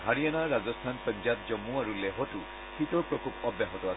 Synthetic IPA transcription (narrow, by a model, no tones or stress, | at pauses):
ɦaɹijanaɹazɔstʰanpɔɲzat̚zɔmuaɹulɛɦɔtʊ | kʰitɔɹpɹɔkʰupɔbjaɦɔtɔa